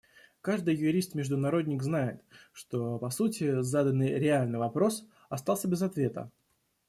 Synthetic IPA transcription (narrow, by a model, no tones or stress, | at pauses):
kaʐd̪ɨjjʊɾʲist̪mʲɪʐd̪ʊnɐɾo̞d̪ʲnʲɪkznajɪt̪ʂt̪o̞pɐsutʲɪzad̪ənːɨjɾʲɪalʲnɨjvɐpɾo̞s | ɐst̪ɑlˠsʲəbʲɪzɐt̪vʲe̞t̪ə̰